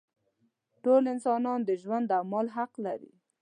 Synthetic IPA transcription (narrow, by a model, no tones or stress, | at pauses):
ʈolɪnsɑnɑnd̪əʒwand̪amɑlɦaqlaɾḭ